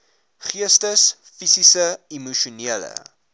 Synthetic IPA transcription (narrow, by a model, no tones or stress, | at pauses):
χiəstəs | fisisəimuʃuniələ̰